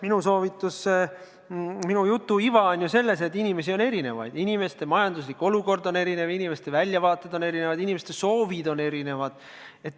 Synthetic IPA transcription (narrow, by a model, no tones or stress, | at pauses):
minuso̞ːvit̪ːˑusːe | minujut̪ːˑuivɑonʲjuse̞lːe̞s̬et̪ːinʲime̞sio̞ne̞ɾine̞̰vɑ̰jd̪̥inime̞st̪e̞mɑjɑnd̪usliko̞luko̞rd̪o̞ne̞ɾine̞vinime̞st̪e̞vælʲjɑvɑːt̪ːˑed̪o̞ne̞ɾinevɑd̪inʲimest̪eso̞ːvid̪o̞ne̞ɾine̞vɑd̪̥ | e̞t̪ː